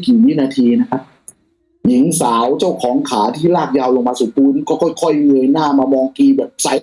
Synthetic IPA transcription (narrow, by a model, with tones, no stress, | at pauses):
kiː˨˩ji˦˥naː˧t̪ʰiː˧na˦˥kʰa˦˥p̚ | ji˨˩˦ŋsaː˩˦wt͡ɕa˥˩wkʰɔː˩˦ŋkʰaː˩˦t̪ʰiː˥˩laː˥˩k̚jaː˧wlo˧ŋmaː˧su˨˩˦puː˧nkɔː˥˩kʰɔ˧˥˩jkʰɔ˥˩jŋɯː˧jnaː˥˩maː˧mɔː˧ŋkiː˧bɛ˨˩p̚sa˦